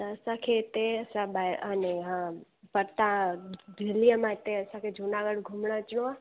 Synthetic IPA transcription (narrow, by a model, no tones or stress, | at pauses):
t̪əəsãkʰet̪eəsãbaəneɦã | pəɾt̪ãd̪ʱelijəmãɦɪt̪eəsãkʰed͡ʒʱunaɡəɽɡʱumɽat͡ʃɽ̃oa